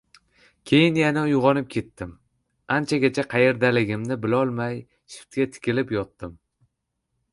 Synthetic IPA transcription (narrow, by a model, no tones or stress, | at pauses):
kʲʰe̞jɪnjanaʊjʊʁɒnɪp̚kʲʰe̞t̪ːɪm | ant͡ʃʰaɡʲat͡ʃʰaqʰɑje̞ɾd̪alɪɡʲɪmnɪbɪlɒlˠmaj | ʃʊ̥t̪ɡʲat̪ʰɪ̥kʲɪlɪpjɒt̪ːɪm